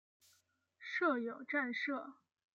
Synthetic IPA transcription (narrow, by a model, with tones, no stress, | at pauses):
ʂɤ˥˩jo˨˩ʊʈ͡ʂa˥˧nʂɤ˥˩